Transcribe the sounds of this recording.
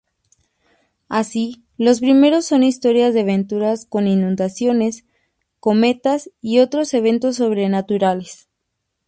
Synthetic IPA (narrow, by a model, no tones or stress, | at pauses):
asi | lo̞spɾime̞ɾo̞sːo̞nist̪o̞ɾjazðeaβe̞nt̪uɾasko̞ninũnd̪asjo̞ne̞s | ko̞me̞t̪asio̞t̪ɾo̞se̞β̞e̞nt̪o̞s̬ːo̞β̞ɾe̞nat̪uɾale̞s